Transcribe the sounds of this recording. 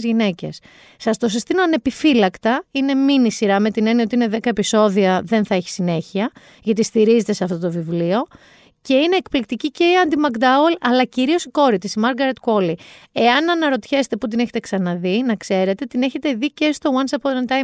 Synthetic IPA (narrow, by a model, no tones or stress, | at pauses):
zʝine̞ce̞̰sː | ɐst̪osist̪imɐɐnepifilɐkt̪ɐine̞minisiɾɐme̞t̪ine̞niɐot̪iine̞ðe̞kɐepiso̞ðiɐðe̞nθɐeçi̥sine̞çiɐ | ʝɐt̪ist̪iɾize̞t̪eseɐft̪o̞t̪o̞vivlio̞ | ce̞ine̞ːkplik̚t̪icice̞iɐnd̪imɐkd̪ɐolɐlɐciɾio̞siko̞ɾit̪isimɐɾɡɐɾet̪ko̞li | e̞ɐnɐnɐɾo̞t̪çe̞se̥t̪e̞put̪̬ine̞çet̪eksɐnɐðinɐkse̞ɾe̞t̪e̞t̪ineçe̞t̪e̞ðice̞st̪o̞wɐnsɐpont̪ɐj